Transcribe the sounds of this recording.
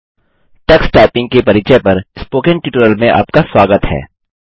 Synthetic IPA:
ʈɐksʈaːpɪ̃ŋɡ̚kepɐɾɪt͡ʃɛpɐɾɪspoːkẽɳʈɪʈɾəlmẽʔa̰ːpkaswaːɡət̪hɛ̰ː

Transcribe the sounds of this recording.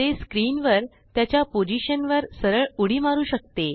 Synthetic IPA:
eskɾiːnʋəɾ | t̪jat͡ɕjapod͡ʑiɕənʋəɾsəɾəɭuɽ̤iːmaɾuːɕək̚t̪e

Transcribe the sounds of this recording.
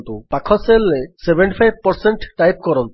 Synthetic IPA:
nt̪upakʰɔselːesebeɳʈipʰajb̚pɔɾseɳʈʈːajp̚kɔɾɔnt̪u

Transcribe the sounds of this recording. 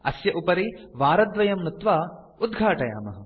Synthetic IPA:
ɐ̰sjɐʔupɐɾiʋaːɾɐd̪ʋɐjɐmnut̪ʋaː | ud̪̚ɡʱaːʈɐja̰ːmɐ̰ɦɐ

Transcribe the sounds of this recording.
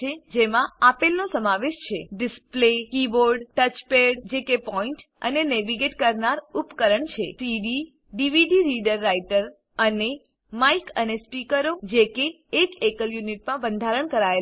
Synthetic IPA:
ed͡ʒemãapelnosəmaʋeʃt͡ʃʰeɖɪsplekiʋoɾɖʈət͡ʃpeɽd͡ʒekepɔiɳʈ | ə̰neneʋiɡeʈkəɾnaɾupkəɾəɳt͡ʃʰesiɖi | ɖiʋiɖiɾiɖəɾːaiʈəɾ | əne | maikə̰nespikəɾod͡ʒekeː | kekəljuniʈ̚mãbənd̪ʱaɾəɳkəɾae

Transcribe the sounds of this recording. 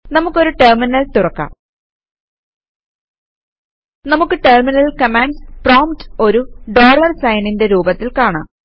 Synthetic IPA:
nɐmukːo̞ɾuʈerminɐlt̪urɐkːa̰ | nɐmukːɨʈerminɐlkɐmaːɳɖsproːmto̞ɾuɖo̞ːɭɐrsɐjninde̞ɾuːbɐt̪ːilkaːɳa̰

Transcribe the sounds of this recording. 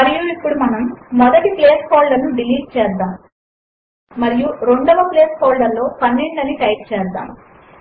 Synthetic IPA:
ɐɾijuipːuɽumɐnɐmːɔd̪ɐʈipleːspoːlɖɐnuɖiliːɖt͡ʃɛːd̪aːm | ɐɾijuɾe̞ɳɖɔʋɐpleːspoːlɖɐlːo̞ːpɐnːiɳɖɐniʈɐjʈ̚t͡ʃɛːd̪a̰ːm

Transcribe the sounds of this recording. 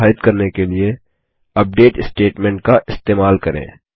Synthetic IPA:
aːɪt̪kɐɾnekelie | ɐp̚ɖeːʈɪsʈeːʈmɛ̃ːɳʈ̚kaʔɪst̪eːmaːlkɐɾḛ̃ː

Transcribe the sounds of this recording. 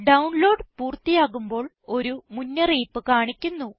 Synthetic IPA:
ɖɐwɳlo̞ːɖpuːrt̪ːijaːɣumbo̞ːɭ | o̞ɾumunːɐriːpːɨkaːɳikʲːunːu

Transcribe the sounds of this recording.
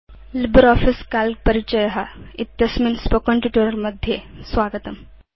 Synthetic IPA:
libəɾɔfiskalk̚pəɾit͡ʃɐjɐɦait̪jɐsminspokəɳʈuʈuɾɐɾmɐd̪ʱjesʋaɡət̪ɐm

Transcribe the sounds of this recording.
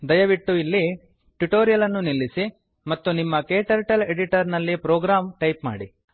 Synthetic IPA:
d̪ɐjɐʋiʈːuilːi | ʈuʈoːɾijɐlɐnːunilːisi | mɐt̪ːunimːɐkeːʈɐɾʈɐleɽiʈɐɾnɐlːipɾoːɡɾaːmʈɐjpma̰ːɽḭ

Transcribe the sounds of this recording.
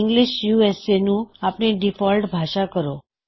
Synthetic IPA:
ŋɡliʃjuesenũapɳ̃iɖifɔlɖbʱaʃakəɾo

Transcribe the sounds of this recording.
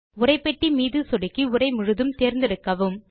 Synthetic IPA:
ʊɾɐɪpːɛʈːimiːðɯsɔɽɪkːiʊrɐɪmʊɻɯðɯmt̪eːɾnd̪ɪɾɯkːɐʋɯm

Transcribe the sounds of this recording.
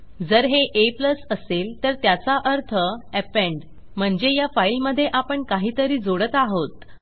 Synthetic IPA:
d͡zəɾɦeʔepləsəselt̪əɾt̪jat͡saʔəɾt̪ʰəɛpeɳɖ | m̤əɳd͡zejafailməd̪ʱːjeʔapəɳkaɦiːt̪əɾiːd͡zoɽət̪aɦot̪

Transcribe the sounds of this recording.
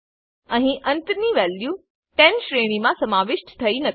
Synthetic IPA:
ɐ̃ɦĩʔɐ̃nt̪niʋɛːljuː | ʈɛ̃nʃɾeːɽ̃imãsɐmaːʋɪʃʈt̪ʰɐinɐ

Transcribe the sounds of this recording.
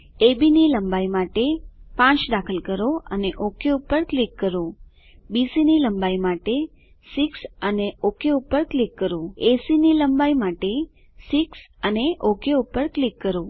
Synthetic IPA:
ebiniləmbaimaʈepãt͡ʃd̪akʰəlkəɾoəneʔokeupəɾklikːəɾo | bisiniləmbaimaʈe | siksəneokeupəɾklikːəɾoesiniləmbaimaʈe | siksəneʔokeupəɾklikːəɾo

